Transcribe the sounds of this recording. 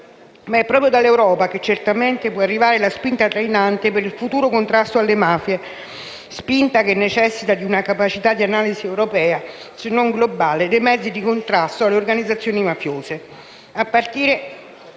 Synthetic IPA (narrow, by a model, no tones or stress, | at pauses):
maɛpːɾɔːpɾjod̪alːewɾɔːpaket͡ʃːert̪ament̪epwɔarːivaːɾelaspint̪at̪ɾajinant̪epeɾilfut̪uːɾokont̪ɾast̪oalːemaːfje | spint̪akenːet͡ʃɛsːit̪ad̪iunakapat͡ʃit̪ad̪ːianaːliziɛwɾopɛːasenːoŋɡlobaːled̪ejmɛd̪zːid̪ikont̪ɾast̪oalːeorɡanid̪zat̪sːjoːnimafjoːse | apːart̪iːɾe